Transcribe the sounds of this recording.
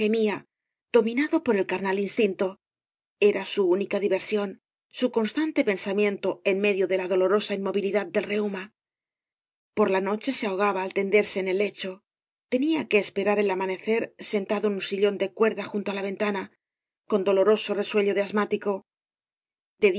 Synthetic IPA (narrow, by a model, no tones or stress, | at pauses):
e̞mia | ð̥o̞mĩnaðo̞po̞ɾe̞lkaɾnalinst̪int̪o̞ | e̞ɾasuunikaðiβe̞ɾsjo̞n | suko̞nst̪ant̪e̞pe̞nsamje̞nt̪o̞e̞nme̞ðjo̞ðe̞laðo̞lo̞ɾo̞saimo̞βiliðad̪̚d̪e̞lre̞uma | po̞ɾlano̞t͡ʃe̞seao̞ɣ̞aβaːlt̪e̞nd̪e̞ɾse̞ːne̞lːe̞t͡ʃo̞ | t̪e̞niake̞ːspe̞ɾaɾe̞lamane̞θe̞ɾse̞nt̪aðoenunsiʎo̞nd̪e̞kwe̞ɾðaxunt̪o̞alaβ̞e̞nt̪ana | ko̞nd̪o̞lo̞ɾo̞sore̞swe̞ʎo̞ðeazmat̪iko̞ | d̪e̞